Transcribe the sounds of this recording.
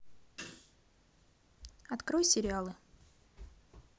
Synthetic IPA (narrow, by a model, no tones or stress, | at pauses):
ɐt̪kɾojsʲɪɾʲɪalˠɨ